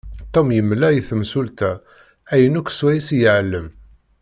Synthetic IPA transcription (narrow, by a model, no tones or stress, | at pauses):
t̪ˤːomjəmːlæjiθəmsult̪æ | æjənukʷːswæjisjəʕəlːəm